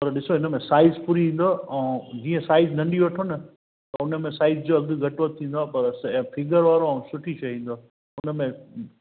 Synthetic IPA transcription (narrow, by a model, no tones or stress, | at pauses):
pɐɾɗɪsoɦɪnəmẽsaːɪzpuːɾiʋĩːn̆d̪oɛ̃ːd͡ʑiːə̃saːɪznɐ̃ɳɖiʋɐʈʰonɐ | t̪ɐʊnəmẽsaːɪzd͡ʑoːɐɡɡʱɐʈʋɐt̪ʰːĩːn̆d̪aːpɐɾɛ̃fʰɪɡəɾʋaːɾoɛ̃sʊʈʰit͡ɕʰɐɦĩːn̆d̪oː | ʊnəmẽ